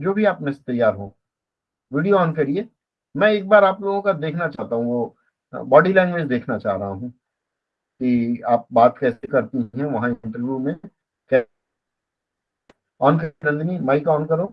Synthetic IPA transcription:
d͡ʒoːbʱiaːpnẽse̥t̪ɐjːaːɾɦoː | ʋiːɖijoɔːnkɐɾieː | mɛ̃ːeːk̚baːɾaːploːɡõkad̪eːkʰnat͡ʃaːɦt̪aɦũʋo | bɔːɖilaːɪnmẽsd̪eːkʰnat͡ʃa̰ːɦɾɐɦaɦũː | kiaːp̚baːt̪kɛːsekɐɾt̪iɦɛ̃ʋɐɦãɳʈəɾʋjumẽ | kɛː | ɔːnkɐɾɐ̃nd̪nimaːikɔːnkɐɾoː

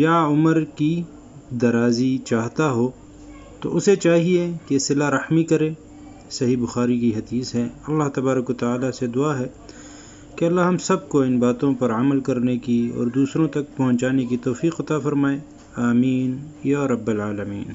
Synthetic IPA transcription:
jaʊməɾki | d̪ɐɾaːzit͡ʃaːɦt̪aɦoː | t̪o̰ʔʊset͡ʃaːɦiekesɪlaɾɐħmikɐɾẽː | sɐɦibʊxaːɾikiɦɐd̪iːsɦɛɐlːaɦt̪ɐbaːɾəkwɐt̪aaːlased̪ʊaːɦɛ | keɐlːaɦɐmsɐb̚koɪnbaːt̪õpɐɾɐməlkɐɾnekiɔ̰ːɾd̪uːsɾõt̪ɐk̚pɐɦʊ̃ɲt͡ʃaːnekit̪ɔːfiːqɐt̪afɐɾmaːẽ | aːmiːnjaːɾɐbːɐlaːlɐmḭːn

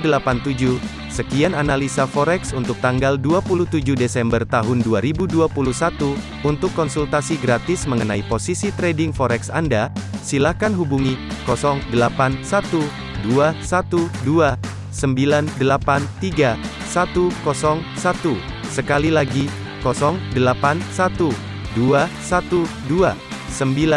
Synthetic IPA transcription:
dəlapant̪ud͡ʒu | səkiananalisafɔɾɛksunt̪ʊk̚t̪aŋɡalduapuluht̪ud͡ʒuhdesɛmbərt̪aɦʊnduaɾibuduapuluhsat̪u | unt̪ʊkːɔnsult̪asiɡɾat̪ɪsməŋənaiposisit̪ɾɛdɪŋfɔɾɛksandasilahkanɦubuŋikɔsɔŋdəlapansat̪u | duasat̪udua | səmbilandəlapant̪iɡa | sat̪ukɔsɔŋsat̪u | səkalilaɡi | kɔsɔŋdəlapansat̪u | duasat̪udua | səmbila

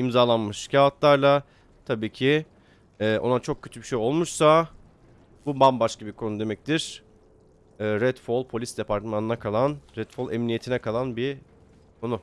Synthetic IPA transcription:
imzaːlˠanmɯʃcʰaat̪lˠaɾlˠa | t̪ʰabiːcʰi | ɛːʔo̞̰nat͡ʃʰo̞k̚cʰːø̞t̪ʰybiʃejo̞lˠmuʃsa | bubambaʃkabikʰo̞nud̪e̞mɛc̚t̪ʰiɾ̥ | ɛːɾɛt̪folˠpʰo̞lʲisd̪e̞pʰaɾt̪manɯnakʰalˠanɾɛt̪folˠɛmnije̞t̪ʰinɛkʰalˠanbi | kʰo̞nʊ

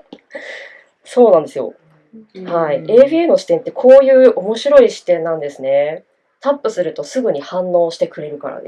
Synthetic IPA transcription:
so̞ːnãnd̪e̞sɨjo̞̰ | haieːbienoɕi̥t̪ẽ̞nt̪ːe̞kʰo̞ːjɯ̟ːʔo̞mo̞ɕiɾo̞iɕi̥t̪ẽ̞nːãnd̪e̞sɨne̞ | t̪apːɯ̟sɨɾɯ̟t̪o̞sɨɡɯ̟ɲ̟ihãnːo̞ːɕi̥t̪e̞kɯ̟ɾe̞ɾɯ̟ka̰ɾa̰d̪e

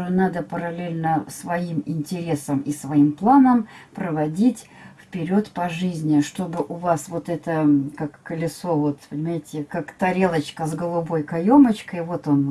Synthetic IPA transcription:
onad̪əpəɾɐlʲelʲnəsvɐimɪnʲtʲɪɾʲesəmɪsvɐimplˠanəmpɾəvɐdʲitʲ | fpʲɪɾʲo̞t̪pɐʐɨzʲnʲɪʂt̪o̞bɨʔʊvasvo̞t̪ɛt̪əkakːəlʲɪso̞vo̞t̪pənʲɪmaɪtʲɪkakt̪ɐɾʲelˠət͡ɕkəzɡəlˠʊbo̞jkɐjo̞mət͡ɕkəjvo̞t̪o̞n

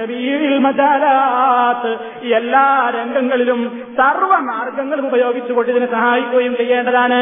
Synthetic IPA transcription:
ɐɾiːɽilmɐd͡ʑaːlaːt̪ɨ | ielːaːɾeŋɡɐŋːɐɭilum | sɐrʋɐmaːrɡɐŋːɐɭumubɐjo̞ːɡit͡ɕːuɣoɳɖiɐðinɨsɐɦaːjipːoːjumt͡ɕejːeːɳɖɐðaːɳɨ

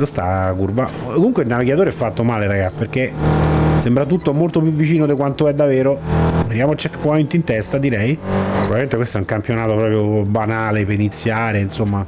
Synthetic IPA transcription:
ost̪a̰kurbakːomuŋkweilnaviɡat̪oːɾeɛfːat̪ːomaːleɾaɡaperk̟e | sembɾat̪ut̪ːomolt̪op̬juvːit͡ʃiːnod̪ekwant̪oɛd̪ːaveːɾoveɾjaːmot͡ʃːɛkːe̥pːɔajunt̪int̪ɛst̪ad̪iɾɛjpɾobaviment̪ekwest̪oɛuŋkampjonaːt̪opɾɔːpɾjobanaːlepeɾinit̪sːjaːɾeinsomːa

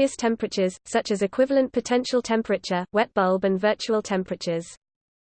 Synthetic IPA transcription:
əstʰɛ̃mpʰɹət͡ʃəz̥sʌt͡ʃəzɪkʰw̥ɪvələ̃npʰətʰɛ̃nʃəlˠtʰɛ̃mpʰɹət͡ʃəwɛʔ̚b̥ʌlˠbə̃nvɜˑt͡ʃuəlˠtʰɛ̃mpʰɹət͡ʃəz̥

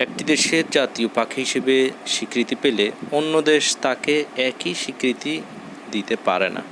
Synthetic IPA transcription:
ɛk̚ʈid̪eʃeɾd͡ʑat̪iopakʰɦiʃebeʃikɾit̪ipeleonːod̪eʃt̪akeɛkiʃikɾit̪i | d̪it̪epa̰ɾenʔa̰

